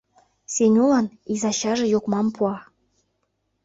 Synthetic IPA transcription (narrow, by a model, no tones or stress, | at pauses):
senʲulɑn | izɑɕɑʒĕjokmɑmpuɑ